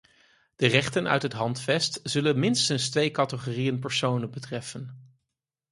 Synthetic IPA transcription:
d̥ərɛχtənʔœ̰ɥtɦətɦɑntfɛstz̥ɵlənmɪnstənstʋejkɑtəχorijənpɛɹsownənbətrɛfən

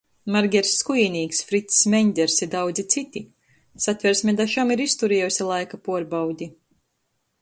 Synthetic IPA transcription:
maɾɡʲɛɾsːkujinʲiːksfɾit̪ssmɛɲʲd̪ʲɛɾsiɾd̪awd̪zit̪sit̪ʲi | sat̪ʲvʲɛɾsʲmʲɛd̪aʃamiɾist̪uɾɛjusʲalˠajkapuɔɾbawd̪ʲi

